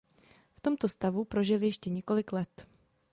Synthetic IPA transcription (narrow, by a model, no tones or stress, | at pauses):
ft̪o̞mt̪o̞st̪avupɾo̞ʒɪljɛʃcɛɲɛko̞lɪklɛt̪